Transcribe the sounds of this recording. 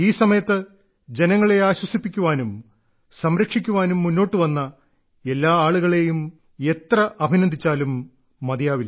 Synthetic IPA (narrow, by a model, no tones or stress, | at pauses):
iːsɐmɐjɐt̪ːɨ | d͡ʑe̞nɐŋːɐɭe̞aːɕwɐsipːikʲːuʋaːnum | sɐmɾɐkʂikʲːuʋaːnumːunːo̞ːʈːɨʋɐnːɐ | e̞lːaːaːɭuɣɐɭe̞jum | e̞t̪rɐʔɐbʱinɐnd̪ʱit͡ɕːaːlumː | ɐd̪jaːʋil